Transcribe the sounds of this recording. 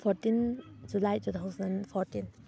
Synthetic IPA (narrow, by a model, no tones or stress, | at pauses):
pʰɔɾtind͡ʒulajtut̪ʰawzɐnpʰɔɾtin